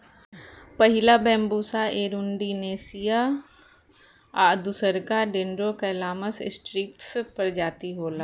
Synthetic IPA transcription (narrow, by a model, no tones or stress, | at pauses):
pəɦɪlabɛ̃ːmbuːsaʔeːɾʊɳɖiːneːsija | aːd̪usəɾkaːɾɖenɾoːkɛlaːməsɪ̰sʈɾiːk̚ʈspəɾd͡ʒaːt̪iɦoːlaː